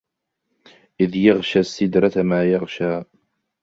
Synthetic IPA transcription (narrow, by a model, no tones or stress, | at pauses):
ʔɪðjaɣʃaːsːɪd̪ɾˤɑt̪amaːjɑʁʃaː